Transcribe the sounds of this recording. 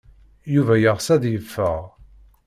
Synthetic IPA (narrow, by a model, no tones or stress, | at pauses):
juvæjəʁsæðjəfːəʁ